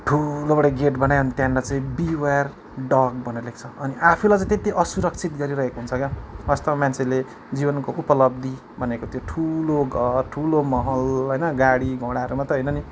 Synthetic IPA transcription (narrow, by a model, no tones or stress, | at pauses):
ʈʰulobʌɽʌɡeʈbʌnajoʌnit̪jãnlat͡saĩbiwar | ɖʌɡbʱʌneɾʌlek̚t͡sʰʌʌniʔapʰulajt͡sãĩt̪et̪iʔʌsuɾʌk̚t͡sʰit̪̚ɡʌɾiɾʌɦekoɦunt͡sʰʌkaʌst̪ʌmant͡sʰele | d͡zibʌnkoʔupʌlʌb̚d̪i | bʱʌnekot̪joʈʰuloɡʱʌrʈʰulomʌɦʌlɦʌjnʌɡaɽiɡʱõɽaʌɾumat̪ʌɦʌjnʌni